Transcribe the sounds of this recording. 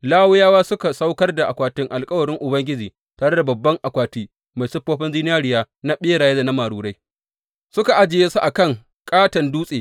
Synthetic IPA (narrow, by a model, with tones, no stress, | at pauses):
laː˦wʊ˦jaː˦waː˦sʊ˦ka˨sa˦wkɐ˦rda˨ʔa˨kʷaː˨tɪ˦ŋʔa˨lkʼɐ˦wɐ˨ɽɪ˦ŋʔʊ˨bɐ˦ŋɡʲɪ˦d͡ʒiː˨ | taː˨ɽe˦da˨bɐ˨bːɐ˦ŋʔa˨kʷaː˨tiː˦ | ma˨jsʊ˦ɸːoː˦ɸɐ˦nd͡ʒiː˦nɪ˦jaː˦ɽɪ˨jaː˦ | na˦ɓeː˦ɽaː˨je˦da˨na˦maː˨ɽuː˨ɽa˦j | sʊ˦ka˨ʔa˦d͡ʒɪ˨jeː˦su˦ʔa˨kɐ˦ŋ | kʼaː˦tɐ˨nduː˦sʼeː˨